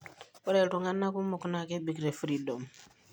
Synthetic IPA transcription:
o˦ɾe˨tu˨ŋa˦nːa˦ku˦mu˨ku˨na˨ke˦bi˨kɾe˨fu˦ɾi˨do˨m

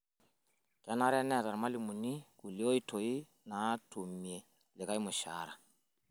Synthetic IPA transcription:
kɛ˨˦na˦ɾɛ˦nɛ˨ta˨ɾma˦li˨mu˨ni˦ku˨li˦o˦i˦tʰo˨i˦ | na˨˦tʰu˨mje˨ | lɪ˨ka˦i˦mʊ˨ʃa̰˦ɾa̰˨

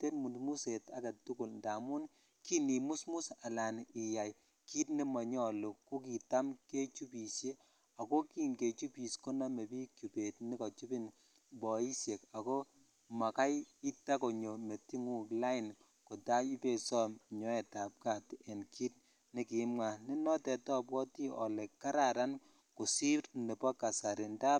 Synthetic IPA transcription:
te˦tmu˨mu˦se˨ta˦ɡa˨tʊ˦kʊ˨lnda˨mu˦n | ki˦ni˨mu˦smu˦sa˨la˨nɪ˨ja˨j | ki˦tni˦mɔ˨ɲ˦ɔ˦lu˨kːu˦ki˨ta˦mke˦t͡ʃu˦pi˨sje˦ | a˨ko˦ki˦nke˨t͡ʃu˦pi˨sko˦na˦me˨bi˦kju˨pe˨tni˦kɔ˨t͡ʃu˦bi˦n | bɔ˨i˦sje˨ka˨ko˦ | ma˨ka˦ji˦ta˦ko˨ɲo˨me˨ti˦ŋu˦kla˦ɪ˨n | ko˨ta˦i˦pe˨sɔ˦m˨ɲɔ˨˦ɛ˨ta˨p̚ka˦˨tɛ˨nki˦t̚ | nɪ˦ki˨mŋa˨ni˦nɔ˦tɛ˨tɔ˦pwɔ˦ti˦ʔɔ̰˨lɛ˨kːa˦ɾa˨ɾa˦n | ku˨si˦ɾne˨pɔ˦ka˨sa˨ɾi˨nta˦

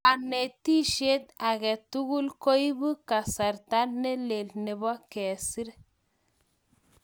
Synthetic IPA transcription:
a˨ne˨t̪i˦ʃe˦t̪a˨ɡɛ˨t̪u˦ɡu˦lko˦jbu˦ka˨sa˨ɾt̪a˦ne˦le˨lne˨bɔ˦kɛ˨si˦ɾ

